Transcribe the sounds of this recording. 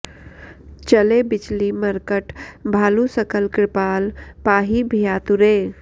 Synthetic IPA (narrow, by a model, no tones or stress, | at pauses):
t͡ʃəlebɪt͡ʃliməɾkəʈbʱaːlusəkəlkɾɪpaːlpaːɦibʱijaːt̪uɾeː